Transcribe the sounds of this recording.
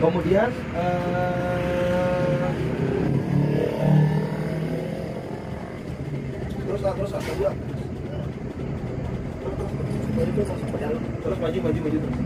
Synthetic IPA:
kəmodian | ə | t̪əɾʊslat̪əɾʊslat̪ad͡ʒua | sasapaɲalo | t̪əɾʊsbad͡ʒubad͡ʒubad͡ʒut̪əɾʊs

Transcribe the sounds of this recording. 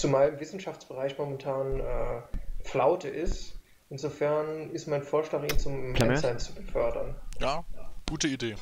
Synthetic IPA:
t͡sumaːlɪmvɪsn̩ʃaft͡sb̥əʁaɪçmomɛntʰaːnʔɛːflaʊtʰəʔɪst | ʔɪnzoːfɛɐnɪstmaɪnfoːɐʃlaχiːnt͡sʊmhɛnsaɪnt͡subəfœɐdɐ̰njaːɡ̥uːtəideː

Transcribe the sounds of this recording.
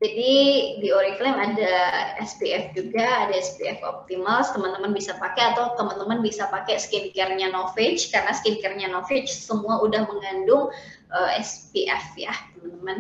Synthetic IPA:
d͡ʒadidioɾiklɛmadaɛ̰spiɛfd͡ʒuɡaːdaɛspiɛ̰fɔ̰p̚t̪imalst̪əmant̪əmanbisapakɛat̪awt̪əmant̪əmanbisapakɛskinkɛrɲanofɪt͡ʃkaɾənaskinkɛrɲanofɪt͡ʃsəmuaudahməŋandʊŋ | ʔəɛ̰spiʔɛfjaht̪əmant̪əman

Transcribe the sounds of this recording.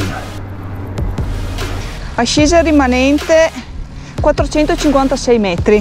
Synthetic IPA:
aʃeːzɛrimanɛnt̪e | kwat̪ːɾot͡ʃɛnt̪ot͡ʃiŋkwant̪asɛjmɛt̪ɾi

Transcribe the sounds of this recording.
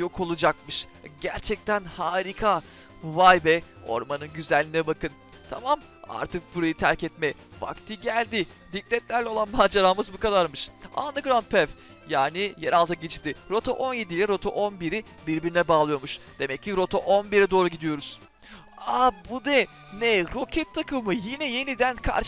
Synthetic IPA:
jo̞kʰolˠud͡ʒakmɯʃɟæɾt͡ʃʰɛc̚t̪ʰænhaːɾikʰa | vajbɛ | o̞̰ɾmanɯnɟyzælʲːinɛbakɯn | t̪ʰa̰mam | a̰ɾt̪ʰɯk̚b̥uɾajɯt̪ʰæɾcɛt̪mɛ | fa̰kt̪ʰiɟælʲd̪ɪ | d̪iclʲɛt̪lʲæɾlʲɛo̞lˠanmaːd͡ʒaɾaːmɯzbukad̪aɾmɯʃa̰d̪ɯɡɾant̪̚pʰɛv | jaːnijenalˠt̪aɟet͡ʃd̪ɪɾo̞t̪ʰoʔo̞nje̞d̪ilʲɛɾo̞t̪ʰo̰ʔo̞nbiɾi | biɾbiɾinɛbaːlˠɯjo̞ɾmuʃd̪̥e̞mɛcʰːiɾo̞t̪ʰoʔo̞nbiɾɛd̪o̞ːɾuɟid̪ijo̞ɾuz̥ | abud̪ɛ | nɛɾo̞cʰɛt̪ʰːakɯmɯjinɛje̞nid̪ænkʰa̰ɾ

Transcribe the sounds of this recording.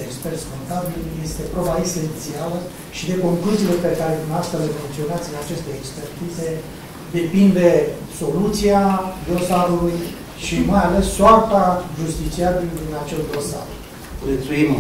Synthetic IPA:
ekspert̪sʲko̞nt̪abilje̞st̪e̞pɾobaese̞nt̪sialə | ʃid̪e̞ko̞ŋkluziːle̞pe̞kaɾe̞d̪umneaselemeŋkt̪sio̞nat̪sɨnat͡ʃe̞st̪e̞ːkspe̞rt̪ize̞ | d̪e̞pind̪e̞ | so̞lut̪siad̪o̞saɾuluj | ʃimajale̞sːoart̪aʒust̪it͡ʃiabilɨnat͡ʃe̞st̪d̪o̞sa̰r | ɾesuim

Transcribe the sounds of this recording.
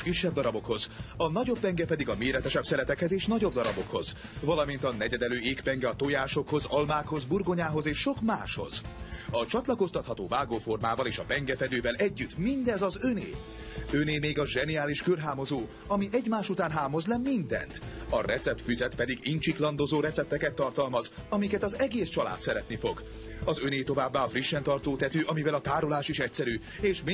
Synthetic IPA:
kiʃːɛbd̪ɒɾɒbokho̞zɒnɒɟo̞bːɛŋɡɛpɛd̪iɡɒmeːlɛt̪ɛʃɛbsɛlɛt̪ɛkhɛzeːʃnɒɟo̞b̚d̪ɒɾɒbo̞kho̞̰z | vɒlɒmint̪ɒnɛɟɛd̪ɛløːeːkpɛŋɡɛɒt̪o̞jaːʃo̞kho̞zɒlmaːkho̞zburɡo̞ɲaːɦo̞zeːʃːo̞kmaːʃho̞̰z̥ɒt͡ʃɒt̪lɒko̞st̪ɒt̪hɒt̪o̰ːvaːɡoːfo̞rmaːvɒleːʃɒpɛŋɡɛfɛd̪øːvɛlɛɟːyt̪mind̪ɛzɒzønḛː | øneːmeːɡɒʒɛnijaːliʃkørɦaːmo̞zoː | ɒmiʔɛɟmaːʃut̪aːnɦaːmo̞zlɛmind̪ɛ̰nt̪ɒrʔɛt̪sɛp̚t̪fyzɛt̪pɛd̪iɡint͡ʃiklɒnd̪o̞zoːɾɛt̪sɛp̚t̪ɛkɛt̪ːɒrt̪ɒlmɒz | ɒmikɛt̪ɒzɛɡeːst͡ʃɒla̰ːt̪sɛɾɛt̪nifo̞̰ɡ | ɒzøneːt̪o̞vaːbːaːɒfriʃːɛnt̪ɒrt̪oːt̪ɛt̪øːʔɒmivɛlɒt̪aːɾolaːʃiʃɛcsɛɾyː | eːʃm

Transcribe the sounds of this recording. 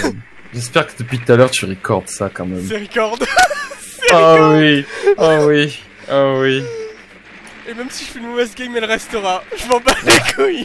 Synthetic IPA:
ʒɛs̬pɛʁkəd̪əpɥit̪ut̪alœʁt̪yʁikʰɔʁd̪sakɑ̃mɛmsʁikɔʁd̪ | awiowi | owi | emɛmsiʒəfɛynmɔvɛzɡʲajmɛlʁɛst̪əʁaʒəvɑ̃palekʰui

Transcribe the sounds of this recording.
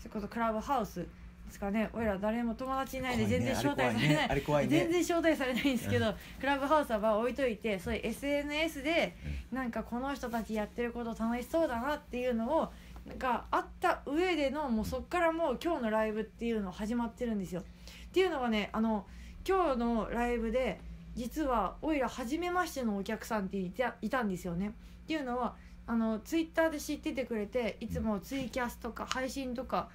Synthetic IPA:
soeko̞sokɯ̟ɾabɯ̟haɯ̟sɨ̥ | esɨ̥kane̞ʔoe̞ɾad̪aɾe̞mo̞t̪o̞mo̞d̪at͡ɕiɲinaid̪e̞zẽnzẽɕo̞ːt̪aisaɾenaizẽ̞nnd͡zẽ̞ɕo̞ːt̪aisaɾe̞naĩnd̪esɨ̥ked̪o̞ | kɯ̟ɾabɯ̟ɦaɯsɨaβao̞it̪o̞it̪e̞soiʔe̞sɨe̞nɯ̟esɨd̪e̞nãŋkakʰo̞no̞çi̥t̪o̞t̪at͡ɕijat̪ːe̞ɾɯ̟ko̞t̪o̞ːt̪ano̞ɕi̥so̞ːd̪anat̪ːe̞jɯ̟no̞ː | nãŋkaat̪ːaɯ̟e̞d̪e̞no̞moːso̞kːaɾamo̞ːkʲo̞ːno̞ɾaibɯ̟t̪ːe̞jɯ̟ːno̞ːhaʑimat̪ːe̞ɾɯ̟̃nd̪e̞sɨjo̞ | t̪ːe̞jɯ̟no̞ɡane̞ʔano̞ | kʲo̞ːno̞ɾaibɯ̟d̪e̞d͡ʑit͡sɨβao̞iɾahaʑime̞maɕi̥t̪e̞no̞ːkʲakɯ̟̥sãnt̪ːeit̪it̪ãnd̪e̞sɨjo̞ne̞ | t̪ːe̞jɯ̟no̞βa | ano̞t͡sɨit̪ːaːd̪e̞ɕit̪ːe̞t̪e̞kɯ̟ɾe̞t̪e̞it͡sɨmo̞t͡sɨikʲasɨ̥t̪o̞kahaiɕĩnt̪o̞ka

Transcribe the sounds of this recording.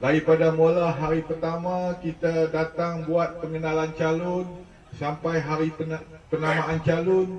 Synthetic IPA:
laɡipadamolaɦaɾipərt̪amãkit̪adat̪aŋbuat̪̚pəŋənalant͡ʃalʊn | sampajɦaɾipəpənamaʔant͡ʃalʊn

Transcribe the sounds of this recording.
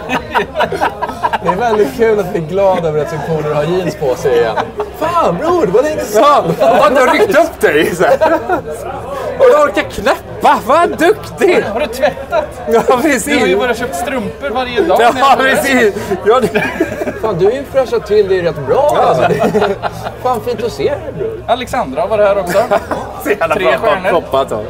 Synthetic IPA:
d̪ɛɛɾvɛld̪ɪt̪kʰʉ̟ːlat̪̚bliːɡlɑːd̪øːvəɾat̪sɛkɧʰuːnəɾhaɾjiːnspʰɔsɛjɪjɛ̰nfaːnbɾɔɖ̪vad̪ɛɪt̪ːəsɑːad̪əhaɾɾɪkt̪ɵpːd̪ɛjsɛ | ɔd̪ɛɔɾkakʰlɛpːavad̪ɵkt̪ɪɡhaɾət̪ʰvɛt̪ːat̪jɑːpʰɾɪsiːsɪbœɾjaʃøːp̚t̪st̪ɾɵmpəɾvaɾjɛɔjɑːpɪsisjɑːd̪ | faːnd̪ɵɛjfɾɛʂad̪̚t̪ʰːɪld̪ɛjɾɛt̪ːbɾɑː | faːnfiːnt̪d̪ɵseːɖɛdalɛksand̪ɾavaɾɛhæːɾɔkssɔ | ɾeːɧɛnəɾɔpːat̪ɔ̰m

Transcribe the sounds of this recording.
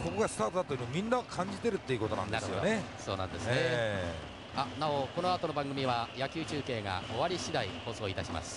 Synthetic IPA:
ko̞ko̞ɡasɨ̥t̪aːt̪od̪at̪ːoiɯnomʲĩnːakʰãɲ̟d͡ʑit̪e̞ɾɯ̟t̪ːeiɯ̟ko̞t̪o̞na̰nnaɾɯojoeso̞ːnã̰nd̪e̞sɨne | anao̞ko̞no̞at̪o̞no̞bãŋɡɯ̟mʲiβajakʲɨːt͡ɕɨːke̞ːɡa̰o̞βaɾʲiɕid̪aiho̞ːso̞ːit̪aɕima̰sɨ̥

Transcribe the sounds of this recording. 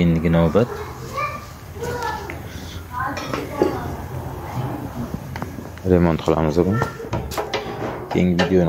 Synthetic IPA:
ɪnd̪ɪɡʲɪnawbat̪ | ɾemont̪qʰɨlˠa̰mɪzʊkʊn | kʲʰeŋvid̪eon

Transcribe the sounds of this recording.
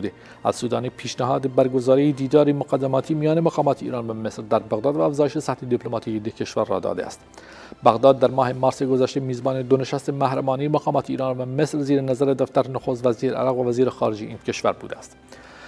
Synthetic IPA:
d̪e | ʔæz̥suːd̪ɑːnipʰiːʃnæɦɒːd̪ebæɾɡozɒːɾiːd̪iːd̪ɒːɾimoɡæd̪ːæmɒːt̪ʰiːmijɒːnemæɣɑːmɑːt̪ʰeḭːɾɑːnvæmesɾd̪æɾbæɣd̪ɒːd̪vææfzɒːjeʃesæt̪ʰed̪ipʰlomɑːt̪ʰijed̪ocʰe̞ʃvæɾːɒ̰ːd̪ɒ̰ːd̪eæ̰st̪ | bæɣd̪ɑːd̪ːæɾmɒːhe̞mɑːɾseɡo̞zæʃt̪emiːzbɒːned̪oneʃæst̪emæhɾæmɒːnejemæɣɒːmɒːt̪ʰeiːɾɑːnvæmesɾziːɾenæzæɾed̪oft̪æɾnoxost̪væziːɾeʔæ̰ɾɑːɣvævæziːɾexɒ̰ːɾed͡ʒeiːncʰe̞ʃvæɾbṵd̪eæst̪

